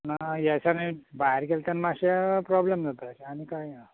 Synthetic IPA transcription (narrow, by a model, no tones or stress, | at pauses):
najɛsanabajəɾkelt̪anmaɕipɾɔblemd͡zat̪at͡ɕaːñikaj